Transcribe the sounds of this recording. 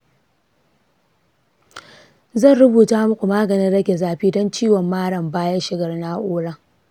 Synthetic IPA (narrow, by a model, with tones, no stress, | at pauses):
zɐ˦˨nɾʊ˦buː˨taː˦mʊ˦kʷu˨maː˦ɡɐ˨ni˦ɽɐ˦kʲe˨zaː˨ɸiː˦dɔ˦nt͡ʃiː˦wɔ˨mːaː˦ɽɐ˨mbaː˦jɐ˦ʃɪ˦ɡɐ˨rnaː˦ʔoː˦ɽɐ˦ŋ